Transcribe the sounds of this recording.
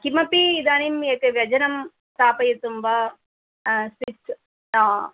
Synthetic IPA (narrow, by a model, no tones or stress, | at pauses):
kimɐpːiːd̪aːnimekːɐʋjɐd͡ʒɐnɐm | saːpɐjɐt̪umbaː | sis | naː